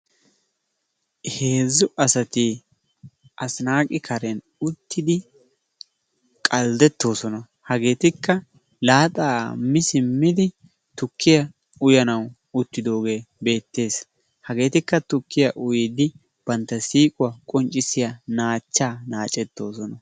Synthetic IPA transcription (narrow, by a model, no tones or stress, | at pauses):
he̞ːzːʊɐsɐt̪ɪ | ʔɐsnaːkʼɪkʰɐɾɛn | ʊt̪ːɪd̪ɪ | kʼɐld̪ɛt̪ːo̞ːsɔnɐ | hɐɡe̞ːt̪ɪkːɐ | laːt̪ʼaːmɪsɪmːɪd̪ɪ | t̪ʊkʰːɪjɐ | ʊjɐnɐw | ʊt̪ːɪd̪o̞ːɡe̞ːbe̞ːt̪ːe̞ːs | hɐɡe̞ːt̪ɪkːɐt̪ʊkːɪjɐʔʊjɪd̪ɪ | b̥ɐnt̪ːɐsiːkʼʊwɐkʼɔnt͡ʃʼːɪsɪjɐnaːt͡ʃːaːnaːt͡ʃʼɛt̪ːo̞ːsɔnɐ